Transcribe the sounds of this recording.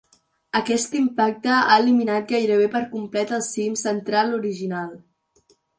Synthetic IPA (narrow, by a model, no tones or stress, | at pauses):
əkɛst̪impak̚t̪əa̰ːliminat̪̚ɡajɾəβ̞epəɾkumplɛt̪əlˠsimsənt̪ɾaluɾiʒinalˠ